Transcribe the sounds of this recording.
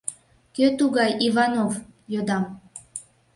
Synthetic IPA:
køt̪uɣɑjʔivɑnovjod̪ɑm

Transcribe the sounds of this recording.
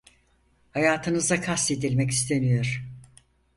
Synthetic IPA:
hajaːt̪ʰɯnɯzakʰast̪ed̪ilʲmɛci̥st̪ʰenijo̞ɾ̥

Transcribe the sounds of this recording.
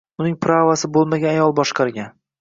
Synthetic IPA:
ʊnɪŋpʰɾavasɪbolˠmaɡʲaajɒlˠbɒʃqʰɑɾɡʲan

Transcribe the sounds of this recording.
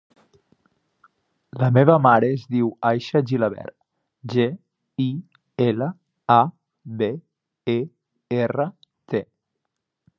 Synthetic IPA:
ləmeβəmaɾeːzðiwajʃəʒiləβɛ̰ɾt̪ | ʒe | i | elə | a | βe | e | erə | t̪e

